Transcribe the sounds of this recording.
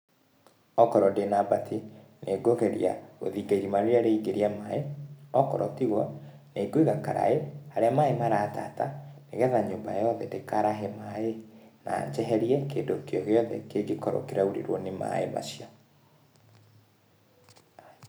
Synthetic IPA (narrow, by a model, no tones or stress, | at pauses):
ɔkɔɾɔdenabatʰinʔeɡoɣɛɾja̰ɣo̰ðiɡeɾimaɾjaɾeiɡeɾiamaeɔkɔɾɔtiɣwɔ | neɡwiɣaka̰ɾa̰ehaɾeamaemaɾaːta̰taneɣɛðaɲoːmba̰jɔðɛdekaɾaɦɛmaena̰ːɲd͡ʒɛɦɛɾiɛkedokeɔɣeɔðɛ̰keɡekɔɾo̰keɾauɾḛɾwɔnema̰ḛma̰sijɔ